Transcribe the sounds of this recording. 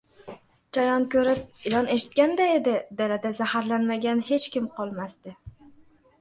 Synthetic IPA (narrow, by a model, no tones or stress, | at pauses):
t͡ʃʰajɒnkʰɵɾɪp̚ɪlɒne̞ʃɪ̥t̪̚kʲand̪ae̞d̪ɪd̪alad̪azahaɾlanmaɡʲanhe̞t͡ʃkʲɪmqʰɒlˠmast̪ɪ